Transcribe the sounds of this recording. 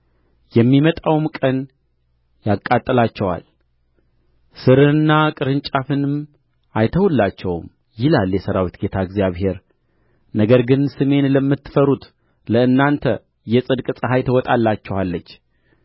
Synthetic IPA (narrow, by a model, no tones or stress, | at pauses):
jɛmːimət̪ʼawmkʼən | jakʼːat̪ʼːɨlat͡ʃːɛwa̰l | sɨɾɨnːakʼɨɾɨnt͡ʃʼafɨnɨm | ajt̪ʰəwulːat͡ʃːɛwm | jɪlaljɛsəɾawit̪ɡe̞t̪ʰaɡzjaβhe̞ɾ | nəɡəɾɡɨnsɨme̞nləmːɨt̪ːɨ̥fəɾut̪ | ləɨnːant̪ʰə | jɛsʼɨd̪kʼsʼɨɦajt̪ʰəwɔt̪ʼalːat͡ʃːɛwalːət͡ʃː